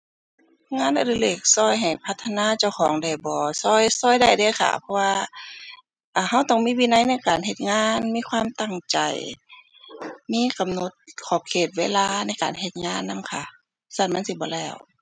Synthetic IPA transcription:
ŋaː˧˥˨nʔa˧ɾɯ˧˨leː˧˩k̚sɔː˧˥˩jɦa˨˩jpʰa˧t̪ʰːa˧naː˧˥˨t͡ɕa˧˩wxʰɔː˨˦ŋda˧˩jbɔː˨˧sɔː˧˥˩jsɔː˧˩jda˧˩jda˧˩jkʰa̰˧˩pʰɔ˧waː˧ | ʔaː˨˧˩ɦa˧˥wt̪ɔː˧˩ŋmiː˧˥˨wiː˧˥na˧˥˨jna˧˥˨jkaː˨˩nɦe˧˩t̪̚ŋaː˧˥˨nmiː˧˥˨kʰwaː˧˥˨mt̪a˧˩ŋt͡ɕa˨˩j | miː˧˥˨ka˨mno˧˩t̪̚kʰɔː˧˩p̚kʰeː˧˩t̪̚weː˧˥˨laː˧˨na˧˥jka̰ː˨nhe˧t̪̚ŋaː˧˥˨nːa˧˥˨mkʰa˧˩ | sa˧˩nma˧˥˨si˧bɔː˧˦lɛː˧˩w

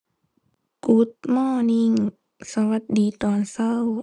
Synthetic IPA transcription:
ku˧˦t̪̚mɔː˧˥˩ni˧˩˨ŋ | sa˧wa˧˦t̪̚diː˨˩t̪ɔː˨nsa˧˥˩w

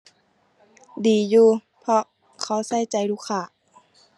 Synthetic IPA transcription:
diː˨˩juː˧ | pʰɔ˧ | kʰa˧˩wsa˧˥˩jt͡ɕa˨˩jluː˧˥˨kʰːaː˧˩

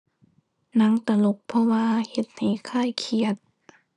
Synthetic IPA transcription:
na˧˥ŋt̪a˧˩lo˧˦k̚pʰɔ˧waː˧he˧t̪̚ha˨˩jkʰaː˧˥˩jkʰi˧ət̪̚

